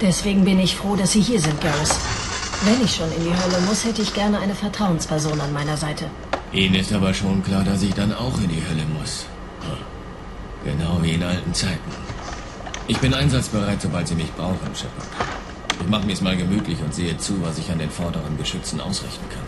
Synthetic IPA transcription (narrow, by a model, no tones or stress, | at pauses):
d̥ɛsv̥eːɡŋ̩bɪnəɪçfʁ̥oːdasz̥iːɦiːɐzɪnt̚ɡ̥ɛsvɛnɪçʃoːnɪndiːɦœləmʊshɛtəɪçɡ̥ɛɐnəʔaɪnəfɛɐtʁ̥aʊənspʰɛɐzoːnanmaɪnɐzaɪtʰə | ʔiːnənɪstʔaːbɐʃoːnkl̥aːɐdas̬ɪçd̥anaʊxɪndiːhœləmʊs | ɡ̥ənaʊviːɪnʔaltn̩t͡saɪtn̩ | ʔɪçb̥ɪnʔaɪnzat͡sb̥əʁaɪtz̥obaltz̥iːmɪçt̚b̥ʁaʊχən̩ɪ̰mʃœpfɐ̰ | ʔɪçmaχəmiːɐɛsmaːlɡəmyːtʰlɪçʊntz̥eːət͡suːvasɪçandeːnfɔɐdəʁənɡəʃʏt͡sn̩ʔa̰ʊsʁɪ̰çtn̩kʰan